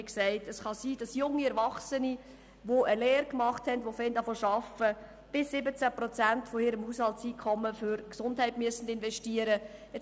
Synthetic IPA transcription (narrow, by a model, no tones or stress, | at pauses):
ksɛɪtəsχɑsiːd̥ɑsjʊŋːiɛɾvɑχsəni | ʋoʔəleːɾkmɑχthɛndʋofɛndɑfoʃɑfə | b̥ɪsːɪbət͡sæpɾɔt͡sæntfoɪɾəmhushɑltsiːkʰχɔmːəfʏɾksʊndɦɛɪtmyəsən̩dɪnʋɛʃtiəɾə | ɛt͡s